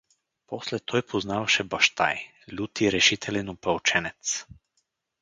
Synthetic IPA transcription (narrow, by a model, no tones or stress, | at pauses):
pɔslɛt̪ʰɔjpʰɔznavaʃɛbaʃt̪a̰j | lʲut̪iɾɛʃit̪ʰɛlɛnupɛɔt͡ʃɛnɛt̪s